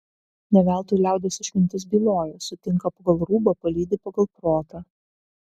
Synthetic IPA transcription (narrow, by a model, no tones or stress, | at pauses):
nʲɛʋʲælˠt̪uːlʲæˑʊd̪ʲesʲɪʃʲkʲɪnʲt̪ʲɪs̬bʲiːlˠoːjɛsʊt̪ʲɪŋˑkɐpɐɡɐlˠɾuːbɐpɐlʲiːd̪ʲɪpɐɡɐlˠpɾoːt̪ɐ